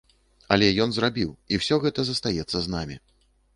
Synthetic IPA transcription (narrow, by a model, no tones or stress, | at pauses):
ɐlʲɛjɔnzrabʲiwiwsʲɔɣɛt̪ɐzɐst̪ajɛt̪sːɐznamʲḭ